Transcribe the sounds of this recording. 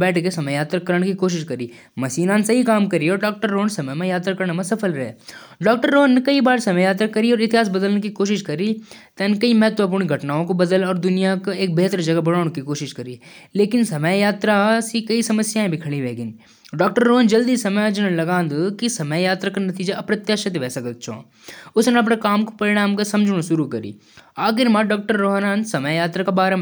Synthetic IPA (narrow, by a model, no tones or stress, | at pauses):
bɛːʈʰkesɐməjaːt̪ɾakɐɾəɳ̃kikoːʃ̬ɪʃkɐɾi | mɐsiːnãnsɐɦikaːmkɐɾiɔːɾɖɔːk̚ʈəɾːoːnsɐməjmə̃jaːt̪ɾakɐɾnemẽsɐfʰəlɾɐɦḛː | ɖɔːk̚ʈəɾːoːnekɐibaːɾsɐməjaːt̪ɾakɐɾiɔːɾɪt̪ɪɦaːs̬bɐd̪əlnkikoːʃɪʃkɐɾit̪ɛnkɐimɛɦt̪ʋap̬uːɽ̃iɡʱɐʈnaːõkobɐd̪əlɔːɾd̪ʊnijakoeːk̚beːɦt̪əɾd͡ʒɐɡabɐɽaːnkikoːʃɪʃkɐɾileːkɪnsɐməjjaːt̪ɾasikɐisɐməsjaːẽbʱikʰɐɭiʋeːɡən | ɖɔːk̚ʈəɾːoːɦənd͡ʒɐld̪isɐməjad͡ʒənənlɐɡãːnd̪kisɐməjjaːt̪ɾakanɐt̪iːd͡ʒaʔɐpnɐt̪jaʃɐt̪ʋɛːsɐkət̪̚t͡ʃʰõ̰ː | ʊsneɐp̬nekaːmko̥pɐɾɪɽ̃aːmkasɐ̃md͡ʒʱɽ̃oʃʊɾukɐɾḭː | aːxɪɾmãɖɔːk̚ʈəɾːoːɦənaːnsɐməjjaːt̪ɾakabaːɾəm